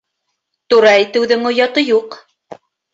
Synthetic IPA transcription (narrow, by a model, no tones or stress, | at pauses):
t̪uɾɑit̪ɘ̆wðɘŋŏjɑt̪ɤjuq